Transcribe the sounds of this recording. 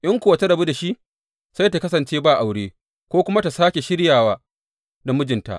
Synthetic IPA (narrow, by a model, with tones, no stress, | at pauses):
ʔɪ˦ŋkʷʊ˨a˨ta˦dɐ˨bu˦da˨ʃi˦ʔ | sa˦jta˨kɐ˦sɐ˨nt͡ʃeː˦baː˦˨ʔa˨wɽeː˦ | kʷoː˦kʷʊ˦ma˦ta˨saː˦kʲe˨ʃɪ˦ɾjaː˨waː˦ | da˨mʊ˦d͡ʒɪ˨nta̰˨ʔ